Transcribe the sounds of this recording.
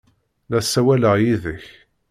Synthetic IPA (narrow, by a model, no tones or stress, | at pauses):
læsæwæləʁjiðəç